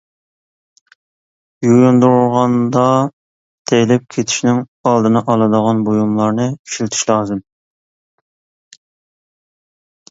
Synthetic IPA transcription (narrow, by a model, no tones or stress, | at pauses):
jojund̪uɾulˠʁɑnd̪ɑ | t̪ʰejlɪp̚kʲʰet̪ʰi̥ʃnɪŋ | ɑlˠd̪ɨnɨʔɑlˠɨd̪əʁɑnbojumlˠɑɾnɨkʰy̥ʃilt̪ʰi̥ʃlˠɑːzɨm